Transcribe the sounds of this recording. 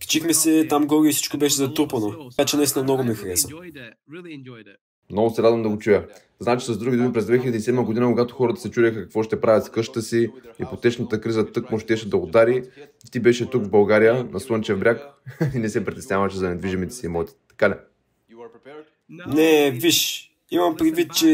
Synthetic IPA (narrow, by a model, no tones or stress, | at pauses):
ki̥t͡ʃixmɛsɛt̪amɡɔɡʲiifsi̥t͡ʃkobɛʃ̬ɛzɐt̪ɾupənoat͡ʃɛnɐist̪inəmnoɡomɛxɐɾɛsə | mnɔɡʊsɛɾad̪vɐmd̪ɐɡot͡ʃujə | znaɛt͡ʃi̥sɐzd̪ɾuɡʲid̪umipɾɛzd̪vɛxilʲɛd̪iːsɛd̪məɡod̪inəkoɡat̪ʊxɔɾət̪ə̥sɛt͡ʃuɾʲɛxəkɐkvɔʃt̪ɛpɾavʲət̪skɤʃt̪ə̥t̪əsiḭpot̪ɛt͡ʃnət̪əkɾizət̪ɤkmoʃt̪ɛʃɛd̪ɐod̪aɾift̪ibɛʃɛt̪ukvbɐlˠɡaɾijənɐsont͡ʃɛvbɾʲakinɛsɛpɾʲit̪ɛsnʲɲʲavɐʃɛzɐnɛd̪viʒimit̪ɛ̥siimɔt̪i̥t̪ɐ̥kalɛ | nɛviʃ | imɐmpɾid̪vit̪̚t͡ʃɛ